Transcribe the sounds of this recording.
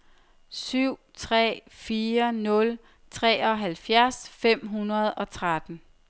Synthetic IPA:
syʊ̰t͡sʰʁɛ̰ːfiːɐnɔ̽l | t͡sʰʁɛ̰ːɒ̽ɦælfjæɐsfem̰ɦunɐð̞ˠɒ̽t͡sʰʁad̥n̩

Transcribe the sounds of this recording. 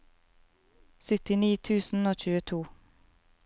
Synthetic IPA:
sʏt̪ɪniːt̪ʰʉːsn̩oːc͡çʉːət̪ʰuː

